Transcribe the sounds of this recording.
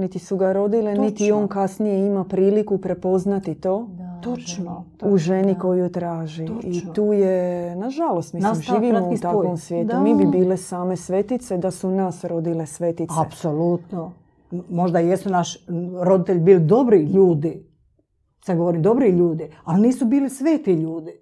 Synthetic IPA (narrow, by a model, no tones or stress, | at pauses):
nit̪isuɡaɾo̞d̪ilenit̪io̞ːnkasnije̞imapɾiːlikupɾe̞po̞znat̪it̪o̞ːt̪ot͡ʃn | uʒeniko̞jujt̪ɾaːʒiit̪uːjenaʒalost̪milmʒiːʋimmouit̪aokomsʋjet̪umiːbibiːlesaːmesʋe̞t̪it̪sed̪asunasɾo̞d̪ile̞sʋe̞t̪iapso̞lut̪no | mo̞ʒd̪ajesunaʃɾo̞d̪it̪eʎʲbiːlid̪o̞bɾiʎuːd̪i | sad̪ɡo̞ʋoɾimd̪o̞bɾiʎuːd̪ialniːsubiːlisʋeːt̪iʎuːd̪i